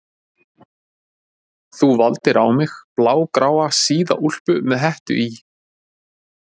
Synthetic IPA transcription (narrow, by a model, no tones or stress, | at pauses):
θuvalt̪ɪɾawmɪxplaːwkɾaːwasiːða̰ʔul̥pʏmɛðɦɛht̪ʏ̰ʔi